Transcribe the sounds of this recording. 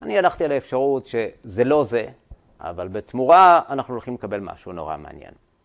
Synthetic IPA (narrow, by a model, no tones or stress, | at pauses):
anialaχt̪ialaefʃaʁutʃe̞ze̞lo̞ze̞ | a̰valbetmuʁaanaχnulχimlekabe̞lma̰ʃuno̞ʁa̰mea̰njḛn